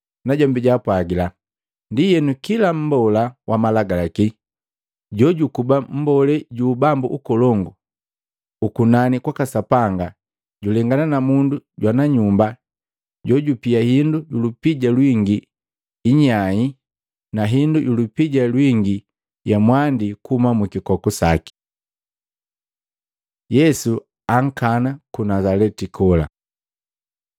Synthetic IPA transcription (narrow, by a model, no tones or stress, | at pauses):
naɟɔmbiɟaːpwaɡila | ndijɛnukilam̩bɔlawʔamalaɡalaki | ɟɔɟukubam̩bɔlɛɟuːbambṵʔukɔlɔŋɡu | ukunanikwakasapaŋɡa | ɟulɛŋɡananamunduɟwanaɲumba | ɟɔɟupijahinduɟulupiɟalwiŋɡiː | ɲaɲi | naɦindujulupiɟalwiŋɡi | jamwandikumamukikɔkusaki̥ | jɛsu | aŋ̩kanakunazalɛtikʰɔla̰